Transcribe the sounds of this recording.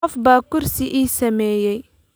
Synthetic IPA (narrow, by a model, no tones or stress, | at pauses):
ɔfbaːkʊrsɪʔiːsɐmɛːjɛj